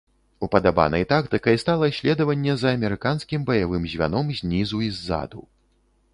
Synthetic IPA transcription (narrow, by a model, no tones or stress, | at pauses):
upɐd̪aba̰nɐ̰jt̪akt̪ɨkɐjst̪alˠɐɕʲlʲɛd̪ɐvɐnʲːɛzɐːmʲɛɾɨkanskʲimbɐjavɨmzʲvʲa̰nɔmzʲnʲizuizːa̰d̪u